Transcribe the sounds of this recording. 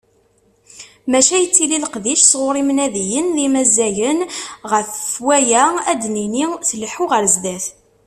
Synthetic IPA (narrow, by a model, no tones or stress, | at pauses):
mæʃæjət͡sːililəqðiʃsʁʊɾˤimnæðijənlimæzːæjənʁəfwæjææd̪ninisəlħuʁəɾzd̪æθ